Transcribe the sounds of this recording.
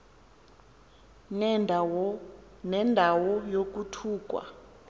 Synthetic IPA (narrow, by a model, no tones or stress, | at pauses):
nɛndʱawɔjok̬utʰuːk̬ʼwa̰